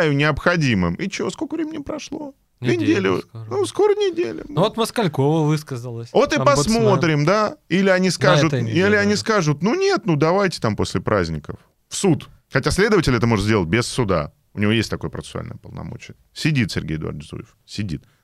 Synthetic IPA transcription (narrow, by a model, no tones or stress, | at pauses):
jɪnʲɪəpxɐdʲimɨmit͡ɕɪvoskokəvɾʲemʲɪnʲəpɾɐʂlˠo̞ | nʲdʲelʲʊnusko̞ɾənʲɪdʲelʲʊ̰vot̪məskalʲkovəvɨskəzəlˠəsʲvo̞t̪ɨpɐsmo̞t̪ɾʲɪmd̪ailʲɪɐnʲiskaʐʊt̪ilʲɪɐnʲiskaʐʊt̪nunʲe̞t̪nud̪ɐvajtʲɪ̥t̪ampo̞sʲlʲɪpɾʔa̰zʲnʲɪkəf | fsut̪ | xɐtʲasʲlʲe̞d̪əvətʲɪlʲɛt̪əmo̞ʐɨt̪zʲdʲelˠət̚ʲbʲɪsʊd̪a̰ | ʊnʲɪvo̞jesʲt̚ʲt̪ɐko̞jəpɾə̰əsɨʊa̰lʲnə̰jəpəlˠnɐ̰mo̰t͡ɕɪjə | sʲɪdʲit̪sʲɪrɡʲḛjɪd̪ʊa̰rdzṵjɪfsʲɪdʲḭt̪̚